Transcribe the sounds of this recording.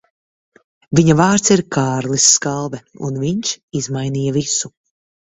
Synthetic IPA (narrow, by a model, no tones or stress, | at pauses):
viɲavaːɾt̪siɾkʰaːɾlˠisːkalˠvɛṵnviɲʃizmajniːjɐvisu